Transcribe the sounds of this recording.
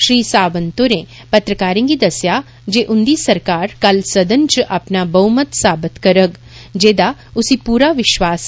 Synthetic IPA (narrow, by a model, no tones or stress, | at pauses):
ʃɾiːsaːʋənt̪oɾe | pɐt̪ɾəkaːɾĩŋɡid̪ɐsja | d͡ʒeːʔʊnd̪isɐɾkaːɾkɐlsɐd̪ənt͡ʃʔɐpnabɐmət̪saːbɪt̪kɐɾəɡ | d͡ʒeːd̪aʊsipuːɾaʋɪʃʋaːs